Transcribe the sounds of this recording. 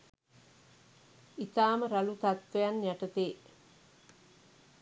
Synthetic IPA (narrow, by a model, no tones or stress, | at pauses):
it̪aːməɾalut̪at̪ʋejanjæʈət̪eː